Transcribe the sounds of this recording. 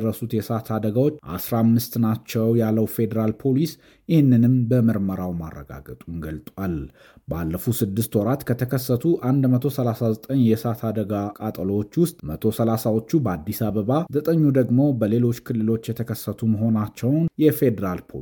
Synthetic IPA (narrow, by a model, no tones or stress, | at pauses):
rːəsut̪jɛsat̪ʰad̪əɡawo̞t͡ʃːʔa̰sɾamːɨst̪nat͡ʃːɛwjalːəwfe̞d̪əɾalpʰo̞lis | jɪhɪnːɨnɨmbəmɨɾməɾawma̰rːə̰ɡa̰ɡət̪ʼunɡəlt̪ʼwal | ba̰lːəfusɨd̪ːɨst̪wɔɾat̪kʰət̪ʰəkʰəsːət̪ʰuʔand̪mət̪ʰosəlasazət̪ʼəɲjɛsat̪ʰad̪əɡakʼat̪ʼəlowot͡ʃːwʊst̪ʼmət̪ʰo̞səlasawo̞t͡ʃːubəad̪ːisaβəβazət̪ʼəɲːud̪əɡmo̞bəle̞lo̞t͡ʃːkʰɨlːɨlo̞t͡ʃːjɛt̪ʰəkʰəsːət̪ʰuməɦo̞nat͡ʃːɛwnjɛfe̞d̪əɾalpʰo̰